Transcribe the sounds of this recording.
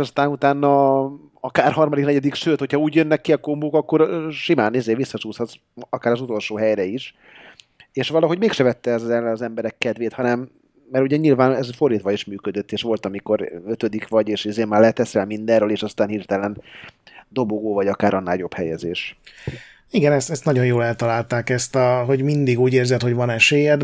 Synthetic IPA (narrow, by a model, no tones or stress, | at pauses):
ɒst̪aːnut̪aːnːɒ | ɒkaːrɦɒrmɒd̪iknɛɟɛd̪ikʃøːt̪ho̞chɒuːɟjønːɛkːiɒkomboːkɒkːo̞ɾʃimaːnizeːvʋisːɒt͡ʃuːshɒt̪s | ɒkaːɾɒzut̪o̞lʃoːɦɛjɾɛiʃ | eːʃʋɒlɒɦo̞ɟmeːkʃɛvɛt̪ːɛɛzːɛlɛɒzɛmbɛɾɛkːɛd̪veːt̪hɒnɛmː | ɛɾuɟɛɲilvaːnɛzfo̞rːiːt̪ʋɒiʃmyːkød̪øt̪ːeːʃʋo̞lt̪ɒmiko̞ɾøt̪ø̞d̪ikʋɒɟeːʃizeːmːaːrlɛt̪ɛsɛlmind̪ɛrøːleːʃɒst̪aːnhiːrt̪ɛlɛn | d̪o̞boɡoːvɒɟɒkaːɾʔɒnːaːljo̞phɛjɛzeːʃ | iɡɛnɛst̪ɛst̪nɒɟo̞jjoːlɛlt̪ɒlaːlt̪aːkɛst̪ɒɦo̞ɟmind̪iɡuːɟeːrzɛt̪ho̞ɟvɒnɛʃeːjɛd̪